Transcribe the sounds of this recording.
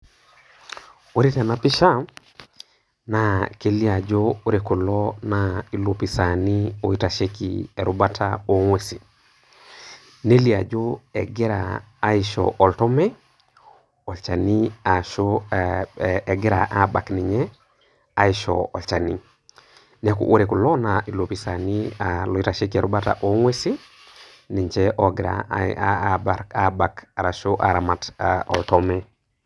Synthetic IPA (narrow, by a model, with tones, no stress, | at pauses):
o˦ɾi˦ta˨na˨pi˦ʃa˦ | nake˨li˦a˨d͡ʒou˦ɾeku˨lɔnai˨lo˦pi˨sa˨nio˨i˦ta˨ʃe˦kḭe˨ɾubatʰao˦ŋwe˨si˨ | ne˦li˨a˨d͡ʒo˦e˨ɡi˦ɾa̰ː˨˦ | iʃo̰ʔo˨ltɔ˦me˦ | olt͡ʃa˨nia˨ʃo | e˨ɡi˦ɾa̰˨ʔa˦ba˨kni˨ɲɛ˦ | a˦iʃo̰ɔ˨lt͡ʃa˨ni˦ | nekṵʔu˦ɾe˨ku˨lɔ˦nai˨lo˨pi˨sa˨ni˦alɔ˨i˦ɾa˨ʃe˦ke˨ɾu˦ba˦ta̰ʔo˦ŋwe˦si˦ | ni˨ɲt͡ʃe˦ʔo˨ɡɪɾa̰ | baɾkaba˨ka˨ɾa˨ʃo˦ʔa̰˨ɾa˨ma˨taɔ̰˨ltɔ˦me˦